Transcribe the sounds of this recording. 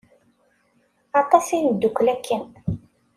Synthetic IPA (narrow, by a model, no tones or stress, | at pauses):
ɑt̪ˤɑsinəd̪ːukʷːlækːən